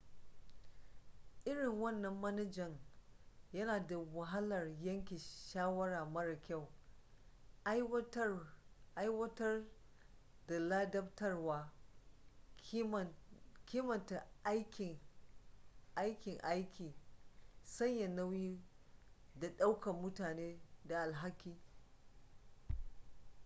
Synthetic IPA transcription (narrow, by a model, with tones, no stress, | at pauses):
ʔɪ˦ɽɪ˨ŋwɐ˦˨nːɐ˨mːɐ˦nɐ˦d͡ʒɐ˨ŋ | jɐ˦naː˨da˨wɐ˨ɦɐ˦lɐ˨rjɐ˦ŋkʲi˨ʃaː˦wɐ˦ɽaː˨mɐ˦ɽa˨kʲa˦˨w | ʔa˦jwɐ˦tɐ˦r | da˨laː˦dɐ˦b̚tɐ˦rwaː˦ | kʲiː˦mɐ˨nta˨ʔjkʲɪ˨ŋ | ʔa˦jkʲɪ˨ŋʔa˦jkʲʰiː˨ | sɐ˦ɲja˨nɐ˦wjiː˦ | da˨ɗa˦wkɐ˨mːʊ˦taː˨neː˦da˨ʔa˨lɦa˦kʲːiː˦